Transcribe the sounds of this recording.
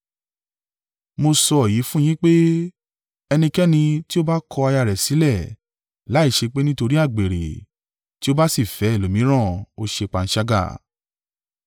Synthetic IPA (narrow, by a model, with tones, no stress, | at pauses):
mo˧sɔ˧˨ji˨˦fũ˦j̃ĩ˦k͡pe˦ | ɛ˧nĩ˧kɛ˦nĩ˧ti˦o˦ba˦kʰɔ˧a˧ja˧˨ɾɛ˨si˨˦lɛ˦˨ | la˨˦i˦˨ʃe˧k͡pe˦nĩ˦to˧ɾi˦a˦˨ɡ͡be˨ɾḛ˨ | ti˦o˦ba˦si˦˨fɛ˨˦˨lo˨mĩ˨˦ɾ̃ã˦˨o˧ʃe˧k͡pa˨˧n̩˦ʃa˧ɡa̰˦˨